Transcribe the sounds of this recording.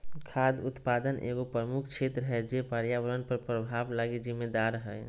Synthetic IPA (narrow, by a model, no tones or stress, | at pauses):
kʰaːd̪ʊt̪paːd̪ənʔḛːɡopɾəmukʰt͡ʃʰet̪ɾəɦɛd͡ʒepaɾjaʋəɾənpəɾpɾəbʱaːblaɡid͡ʒɪmːed̪aɾɦɛ